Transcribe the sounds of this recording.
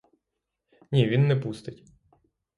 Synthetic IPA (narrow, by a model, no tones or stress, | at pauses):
nʲiʋʲinːɛpust̪ɪtʲ